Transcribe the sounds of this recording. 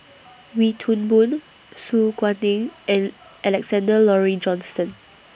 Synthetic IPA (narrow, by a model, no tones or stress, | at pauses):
witʰũnbũn | suɡwãnĩŋɛ̃n | ʔɛlɛksɛ̃ndəlɔɹid͡ʒɔ̃nsə̃n